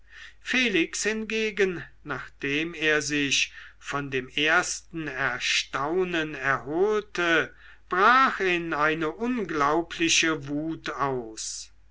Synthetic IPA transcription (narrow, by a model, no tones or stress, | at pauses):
feːlɪkshɪnɡeːɡənnaːχd̥eːmeːɐzɪɕfɔndeːmeːɐstn̩ɛɐʃtaʊnənɛɐɦoːltə | b̥ʁaːxɪnaɪnəʔʊnɡlaʊpʰlɪɕəvuːtaʊs